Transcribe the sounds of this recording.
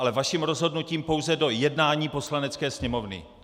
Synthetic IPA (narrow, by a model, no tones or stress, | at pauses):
alɛvaʃiːmɾo̞zɦo̞dnuciːmpo̞wzɛdo̞jɛdnaːɲiːpo̞slanɛt͡skɛːsɲɛmo̞vnɪ̰